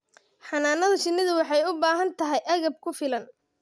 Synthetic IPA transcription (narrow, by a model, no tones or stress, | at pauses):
ħɑnaːnːɐðɐʃɪnːɪðʊwɑħɑjʊbaːɦɐnt̪ʰɐɦɛjʔɐɣɐb̚kʰʊfɪlɐn